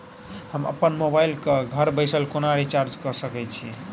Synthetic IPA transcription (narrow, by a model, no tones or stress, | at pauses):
həmə̰pːənmobaɪlkeɡʱəɾbəɪsəlkonaɾit͡ʃaɾd͡ʒkəsəkɛt͡ʃʰi